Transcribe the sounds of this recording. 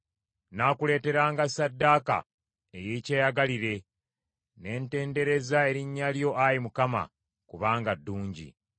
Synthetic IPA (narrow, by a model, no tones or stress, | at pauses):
naːkule̞ːte̞ɾaːŋɡasadːaːka̰ | ejeceːjaɡaliɾe̞ | ne̞ːnte̞ːnde̞ɾe̞zae̞ɾiɲːaljo̞ʔajimukama̰ | kuβaːŋɡadːuːɲɟḭ